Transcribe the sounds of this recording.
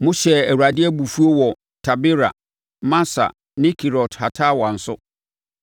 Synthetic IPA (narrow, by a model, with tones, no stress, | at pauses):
mʊ̃˦ɕɛ˨æ˨wu˨a˨dɪ˦ɛ˦bu˨fu˦o˦wɔ˨ | tʰa˨bɪ˦ɾa̰˨ | mã˦sa̰˨ | nɪ̃˦kʰi˨ɾɔ˨tʰha˨tʰaː˦wã˨n̩˨sʊ̰˦